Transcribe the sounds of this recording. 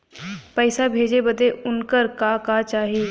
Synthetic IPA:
pɐɪsabʱeːd͡ʒebɐd̪eʊnkəɾkakaːt͡ʃaːɦiː

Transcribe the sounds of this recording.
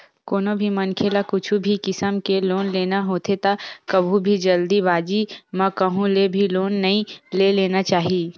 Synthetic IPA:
koːnõbʱimɐnkʰelakʊt͡ʃʰubʱikɪsəmkeloːnleːnaɦoːt̪ʰet̪akɐbʱũbʱid͡ʒɐld̪ibaːd͡ʒimɛ̃kɐɦũlebʱiloːnːɐɦĩleleːnat͡ʃaːɦiiː

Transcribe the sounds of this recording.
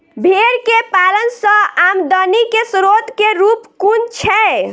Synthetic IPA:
bʱeɾkepalənsə̃amd̪ənikesɾot̪keɾupkunt͡ʃʰɛ

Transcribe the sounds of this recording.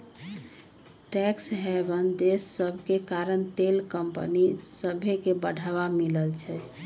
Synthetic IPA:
ʈɛksɦɛbənd̪esːəbʱkekaɾənt̪elkəmpə̰nisəbʱekebəɽʱaβamiləlt͡ʃʰɛ

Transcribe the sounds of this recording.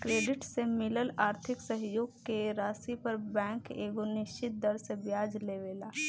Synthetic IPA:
kɾeːɖɪʈsemɪləlaːɾt̪ʰɪksəɦjoːɡkeɾaːsipɐɾbɛ̃ːŋkeːɡonɪʃt͡ʃɪt̪̚d̪ɐɾsebjaːd͡ʒleːʋeːlaː

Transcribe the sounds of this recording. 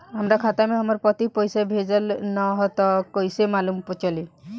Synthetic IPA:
amɾakʰat̪ameamɔɾpɔt̪ipɔjsebʱed͡ʒɔlnɔɦɔt̪ɔkojsemalumpɔt͡ʃɔli

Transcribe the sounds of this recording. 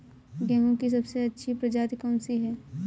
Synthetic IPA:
ɡɛ̃ːɦõkis̬ɐbseɐtːʃʰipɾɐd͡ʒaːt̪kɔ̃ːnsiɦɛː

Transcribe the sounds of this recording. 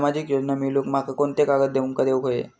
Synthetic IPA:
mad͡ʑikjod͡ʑnamilokmakakont̪ekaɡət̪̚d̪eʋuŋkad̪eʋkɦojḛ

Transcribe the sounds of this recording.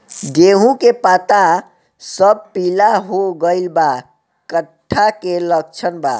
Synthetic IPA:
d͡ʒeɦũkepat̪a | səb̚pilaɦoɡəɪlba | kəʈʰːakelək̚t͡ʃʰənba

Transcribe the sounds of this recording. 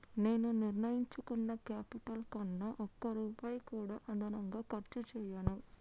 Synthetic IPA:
ne̞ːnuniɾnɐjiɲt͡ʃukunːɐkaːpiʈɐlkɐnːɐʔɔkːɐɾuːpaːjkuːɽaːʔɐd̪ʱɐnɐŋɡaːkɐɾt͡ʃut͡ʃɛːjaːnu

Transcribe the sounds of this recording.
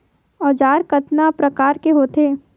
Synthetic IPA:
ɔːd͡ʒaːɾkɐt̪napɾɐkaːɾkeɦoːt̪eː

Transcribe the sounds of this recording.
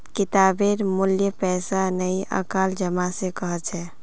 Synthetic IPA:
kit̪abeɾmuljəpɛsanəjə̰kald͡ʒəmasẽkəɦət͡ʃʰɛ

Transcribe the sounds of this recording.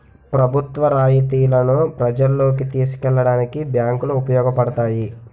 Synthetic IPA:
pɾɐbʱut̪ʋɐɾaːjit̪iːlɐnupɾɐd͡ʒɐlːoːkit̪iːsi̥kɛɭːɐɽaːnikibjaːŋkuluːpɐjɔːɡɐpɐɽɐt̪aːji

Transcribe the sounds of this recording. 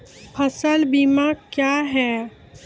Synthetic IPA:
pʰɐsəlbimãkjaːɦɛː

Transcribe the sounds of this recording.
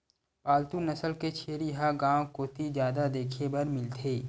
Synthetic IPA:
paːlt̪unɐsəlket͡ʃʰeːɾjɦaɡãːwkoːt̪izjaːd̪ad̪eːkʰebɐɾmɪlt̪ʰeː

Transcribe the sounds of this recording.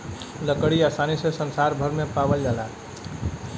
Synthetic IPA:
ləkəɽiast̪ʰanisẽsənsaɾbʱəɾmepabəld͡ʒala

